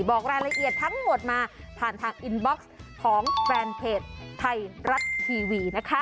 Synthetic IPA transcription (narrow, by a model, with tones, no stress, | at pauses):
bɔː˨˩k̚ɾaː˧nɾa˧ʔi˨˩ət̪ʰːa˦˥ŋmo˨˩t̪̚maː˧pʰaː˨˩nt̪ʰaː˧ŋʔi˧nbɔ˦˥k̚skʰɔː˩˦ŋfɛː˧npʰeː˦˧˩t̪̚ʰːa˧jɾa˦˥t̪̚t̪ʰiː˧wiː˧na˦˥kʰa˦˥